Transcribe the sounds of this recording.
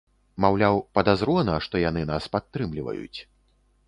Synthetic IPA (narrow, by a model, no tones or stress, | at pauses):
mawlʲawpɐd̪azɾɔnɐʂt̪ɔjanɨnaspat̪ːɾɨmlʲivɐ̰jṵt͡sʲ